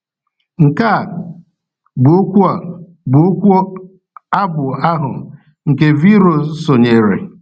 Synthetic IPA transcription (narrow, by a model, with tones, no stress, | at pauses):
ŋ̩˨ka˦˨ | ɡ͡bo˦kʷu˦a˨ | ɡ͡bo˦kʷu˦o˦ | a˦bʊ˨a˦ɦʊ˨ | ŋ̩˨ke˨vi˦ɾo˨˦so˨ɲe˨ɾḛ˨